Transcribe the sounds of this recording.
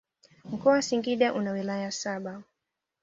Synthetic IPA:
m̩kɔawasiŋɡiɗaʔunawilajasaɓa

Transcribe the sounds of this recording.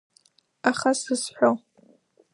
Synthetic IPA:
aχasɨzħʷᶣo

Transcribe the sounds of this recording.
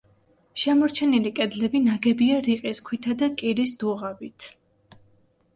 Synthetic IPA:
ʃɛmɔɾt͡ʃʰɛnilikʼɛd̪lɛbinaɡɛbiaɾiqʼiskʰwit̪ʰad̪akʼiɾisd̪̥uʁabit̪ʰ

